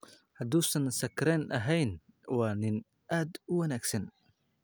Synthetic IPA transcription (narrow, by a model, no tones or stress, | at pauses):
hɐd̪uːsɐnsɐkɾɛnʔɐɦɛjnwaːnɪn | ʔaːd̪ʊwɐnæːɡsɐn